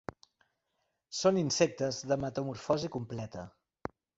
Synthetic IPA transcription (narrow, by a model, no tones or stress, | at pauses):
soninsɛk̚t̪əzðəmət̪əmuɾfɔzikumplɛt̪ə